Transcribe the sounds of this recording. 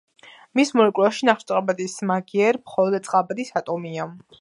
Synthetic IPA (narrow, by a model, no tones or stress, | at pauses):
mismɔɾɛkʼwɛʃinaχʃt̪sʼabad̪ismaɡiɛɾmχɔlˠɔd̪at̪sʼqʼabad̪isat̪ʼɔmia